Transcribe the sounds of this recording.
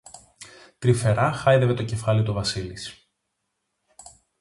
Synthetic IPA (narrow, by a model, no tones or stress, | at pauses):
t̪ɾife̞ɾɐxɐjðeve̞t̪o̞ce̞fɐlit̪ovɐsilis